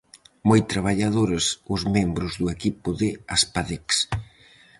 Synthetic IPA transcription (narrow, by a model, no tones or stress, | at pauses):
mojt̪ɾaβ̞aʎaðoɾɐsʊzmembɾʊzðʊekipʊðɪaspaðeks